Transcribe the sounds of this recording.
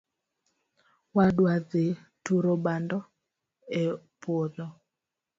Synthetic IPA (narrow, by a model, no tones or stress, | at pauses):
wadwaðetuɾobandɔ | e | pwoðɔ